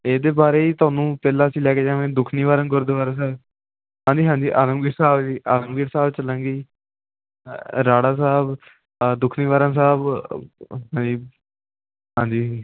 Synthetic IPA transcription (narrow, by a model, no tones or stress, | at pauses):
eːd̪eːbaːɾeːiːt̪ʊaːnũːpɛːlaːsĩːlɛːkeːd͡ʒãːʋẽːd̪ʊkʰniːʋaːɾə̃nɡʊɾd̪eːʋaːɾãːs̬aːb | ɦãːd͡ʒiːɦãːɲd͡ʒiːʔaːləmɡiːʈsaːbd͡ʒiːʔa̰ːləmɡiʈsaːbt͡ʃəlãːŋɡiː | ɾaːɽaːs̬aːb | d̪ʊkʰniːʋaːɾãns̬aːb | ɦãːd͡ʒiː | ɦãːɲd͡ʒiː